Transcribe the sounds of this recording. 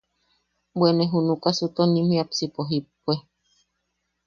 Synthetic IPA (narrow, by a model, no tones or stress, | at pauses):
bwenẽɦunũkasɨt̪onĩmĩapsipoɦip̚ːue